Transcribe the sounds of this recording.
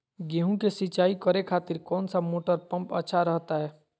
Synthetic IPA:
ɡẽːɦũkesɪt͡ʃaːikəɾekʰaːt̪ɪɾkɔːnsamoːʈəɾpə̃mpə̰tːʃʰaɾəɦt̪aɦɛː

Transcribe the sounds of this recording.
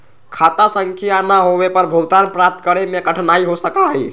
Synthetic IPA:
kʰat̪asəŋkʰijanaɦowepəɾbʱuɡt̪anpɾap̚t̪kəɾemẽkəʈʰnaiɦosəkaɦi

